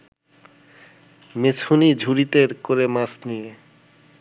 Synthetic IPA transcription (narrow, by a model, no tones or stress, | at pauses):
met͡ɕʰunid͡ʑʱuɾit̪eɾkoɾemãsnije